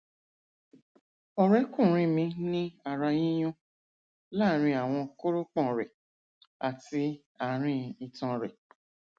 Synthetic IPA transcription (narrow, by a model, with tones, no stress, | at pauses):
ɔ˨ɾɛ˨˦kũ˦˨ɾ̃ĩ˦mĩ˧nĩ˦a˨ɾa˧jĩ˦j̃ũ˦ | la˦˨˦ɾ̃ĩ˧a˨w̃ɔ̃˧ko˦ɾo˦k͡pɔ̃˦˨ɾɛ˨ | a˨ti˧ | a˨ɾ̃ĩ˧˦i˨˧tã˧ɾɛ˨